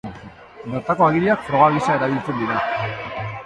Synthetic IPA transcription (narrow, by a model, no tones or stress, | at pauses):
noɾt̪ako̞aɣiliakfɾo̞ɣaɣisae̞ɾaβ̞ilt͡se̞nd̪iɾa